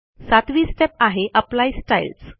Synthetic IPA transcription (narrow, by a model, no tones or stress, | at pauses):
sat̪ʋiːsʈepaɦeʔəplaisʈails